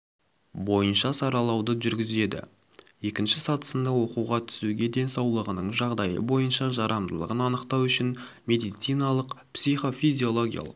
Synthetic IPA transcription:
bo̞jənʃɑsɑɾɑlˠɑwd̪əʒʏɾɡʲɪze̞d̪ɪ̰ | je̞kʲɪnʃɪsɑt̪ə̥sənd̪ɑwo̞quwʁɑt̪ʰʏ̥suɡʲe̞d̪e̞nsɑwlˠəʁənəɴʒɑʁd̪ɑjə̰bo̞jənʃɑʒɑɾɑnd̪əlˠə̰ʁənɑnəqt̪ɑwʏʃɪn | me̞d̪ijt̪sijnɑlˠəqpsijχo̞fizʲio̞lˠo̞ɡʲija̰lˠəq

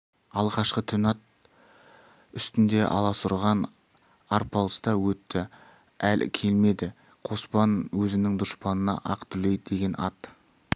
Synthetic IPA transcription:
ɑlˠʁɑʃqət̪ʰʏnɑt̪̚ | ʏst̪ɪnd̪e̞ʔɑ̰lˠɑsʊɾʁɑn | ɑɾpɑlˠəsd̪ɑwɵt̪ːɪ | ælkʲʰe̞lme̞d̪ɪ | qʰo̞spɑnwɵzɪnɪŋd̪ʊspɑnənɑ̰ʔɑ̰qt̪ʰʏlejd̪e̞ɡʲe̞nʔɑt̪

